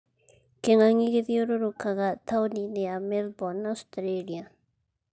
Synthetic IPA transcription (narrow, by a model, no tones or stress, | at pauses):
keŋaɲiɣeðjoɾoɾokaɣat̪ʰawninɛamɛlbɔnawstɾelia